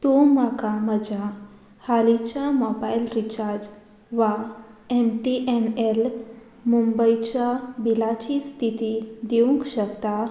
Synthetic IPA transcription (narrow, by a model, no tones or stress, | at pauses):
t̪umakaməd͡ʑa | halit͡ɕjamɔbailɾit͡ɕaɾd͡ʑ | ʋaemʈiʔenel | mumbəit͡ɕjabilat͡ɕist̪ʰit̪id̪eũŋkɕəkt̪a